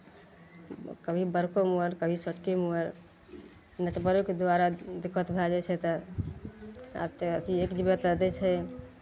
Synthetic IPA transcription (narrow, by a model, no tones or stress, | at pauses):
kəbʱibəɾkomuəɾkəbʱit͡ʃəʈkemuəɾ | nəʈbəɾuked̪waɾad̪ɪkːət̪bʱɛd͡ʒat͡ʃʰɛt̪ə | a̰bt̪ət̪ʰiekd͡ʒibət̪d̪ɛt͡ʃʰɛ